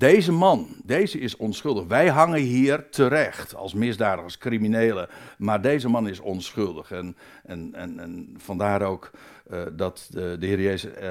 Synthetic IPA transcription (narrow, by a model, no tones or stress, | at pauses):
d̥ejzəmɑndejzəɪsɔnsχɵlˠdəχʋɛjɦɑŋənɦiːrtʰəɾɛxtɑ̰lˠsmɪzdaːdəχɑskrimineːləmaːɹdejzəmɑnɪsɔnsχɵlˠdəχɛn | ɛnɛnnfɑndaːɾowk | dɑtdəhɪːɾəjejzə